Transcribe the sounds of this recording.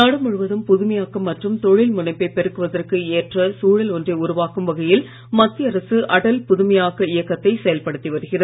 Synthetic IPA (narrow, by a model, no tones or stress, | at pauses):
naːɽɯmʊɻɯʋɐðɯmpʊðʊmɐjaːkɐmːɐʈrɯmt̪ɔɻɪlmʊnɐɪpːɐɪpɛɾɯkːɯʋɐðɐrkɯeːʈrɐsuːɻɐlɔndreʊɾʊʋaːkɯmʋɐɣɐjɪl | mɐt̪ːiɐɾɐsɯʔɐɽɐlpʊðʊmɐjaːɣɐɪjɐkːɐt̪ːɐɪsɛjɐlpɐɽɯt̪ːiʋɐɾɯɣɪrɐð